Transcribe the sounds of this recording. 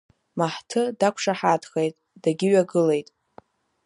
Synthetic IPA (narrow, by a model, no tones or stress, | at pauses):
maħtʰɨdakʷʰʂaħadχejtʼd̥aɡʲɪɥaɡɨle̞jtʼ